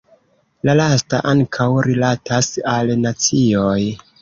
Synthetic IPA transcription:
lalasta̰ʔaŋkʰawɾilatʰasalnat͡sioj

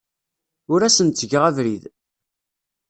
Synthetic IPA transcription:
ʊɾæsənt̪t͡sːəʝəʁævɾið

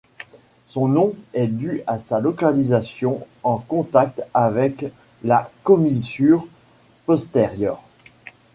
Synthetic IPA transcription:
sɔ̃nɔ̃ɛd̪yasalɔkalizasjɔ̃ | ɑ̃kɔ̃t̪ak̚t̪avɛk | lakɔmisyʁ | pɔst̪ɛʁjœʁ

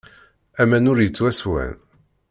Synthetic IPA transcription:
æmænʊɾjət͡sːwæswæ̰n

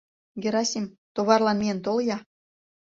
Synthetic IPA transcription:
ɡeɾɑsʲimt̪oβɑrlɑnmiənt̪oljɑ

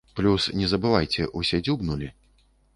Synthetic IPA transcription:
plʲusnʲɛzɐbɨvajt͡sʲɛʔusʲɛd͡zʲubnulʲi

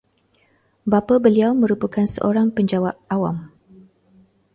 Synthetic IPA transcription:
bapabəliawmə̃ɾupəkansə̰ʔoɾaŋpəɲd͡ʒawaʔ̚awa̰m

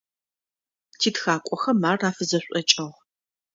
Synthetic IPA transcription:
tʰiːtxaːkʷʼɔxɐmaːraːfɨzɐɕʷʼɔt͡ʃʼɐʁ

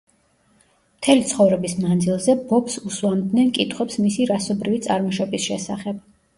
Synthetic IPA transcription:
m̥t̪ʰɛlit̪sʰχɔvɾɛbismand̪zilˠzɛbɔpsuswlˠamd̪nɛnkʼit̪ʰχwɛpsmisiɾasɔbɾivit̪sʼa̰ɾmɔʃɔbisʃɛsaχɛb̥

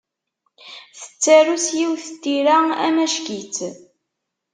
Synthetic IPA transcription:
θə̥t͡sːæɾusjiwθət̪ːiɾaæ̰mæʃkit͡s

